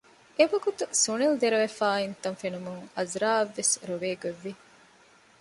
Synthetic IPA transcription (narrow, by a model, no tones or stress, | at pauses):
ebɐɡut̪usunild̪eɾɐʋefaːint̪ɐnfenumuŋɐzɾaːɐʋːesɾoʋeːɡoʋːi